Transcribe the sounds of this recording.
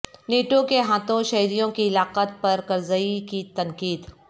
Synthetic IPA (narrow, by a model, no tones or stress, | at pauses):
neːʈokeɦaːt̪õʃɐɦɾijõkiɪlaːqət̪pɐɾkɐɾzəikit̪ɐŋkiːd̪